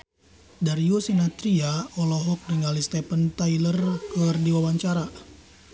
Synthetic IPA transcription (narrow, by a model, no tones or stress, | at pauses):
daɾiusinat̪ɾiaɔlɔɦɔk̚riŋalist̪ɛpənt̪ailərkərdiwawaɲt͡ʃaɾa